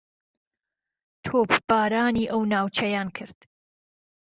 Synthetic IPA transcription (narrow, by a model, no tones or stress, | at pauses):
t̪ʰoːbb̥aːɾaːniːʔɐwnaːwt͡ʃʰɐjaːnkʰɨɾd̪̥